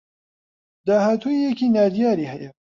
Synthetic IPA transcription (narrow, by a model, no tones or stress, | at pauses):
d̪aːhaːt̪ʰuijɛkiːnaːd̪ijaːɾiːhɛjɛ